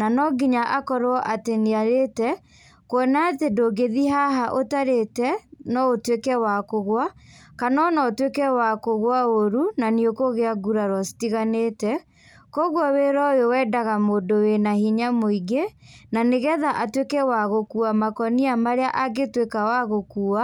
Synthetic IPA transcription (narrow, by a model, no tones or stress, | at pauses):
nanɔɡiɲaʔakɔɾɔʔateneaɾetɛ | kwɔnatedoɡeðiɦaɦaʔotaɾetɛnɔotwekɛwakoɣwakanɔnɔotwekɛwakoɣwaoɾunaniokoɣeaɡuɾaɾwɔsi̥tiɣaneːtɛ | kɔɣwɔweɾɔjowɛːdaɣamoːdowenahiɲamoiɡenaneɣɛðaʔatwekɛwaɣokuamakɔniamaɾeaʔaɡetwekawaɣokuːa